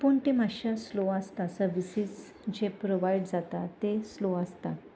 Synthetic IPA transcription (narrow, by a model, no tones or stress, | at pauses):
puɳʈ̪emaɕasloast̪asəɾʋisid͡z | d͡ʑepɾoʋajɖd͡zat̪at̪esloast̪a